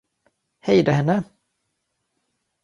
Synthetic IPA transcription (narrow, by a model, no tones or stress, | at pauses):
hɛjd̪aɦɛnːə